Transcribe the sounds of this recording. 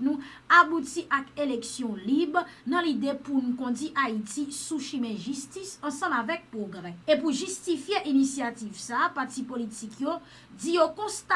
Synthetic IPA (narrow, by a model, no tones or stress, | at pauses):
nũ | abut̪iʔakelɛksjɔ̃libʁnɑ̃lid̪epunũkɔ̃diʔait̪isuʃimɛ̃ʒyst̪isɑ̃sɑ̃mavɛk̚pʁoɡʁɛepuʒyst̪ifjeʔinisjat̪ivsapaʁt̪ipolit̪ikʰjo | dijokɔ̃st̪a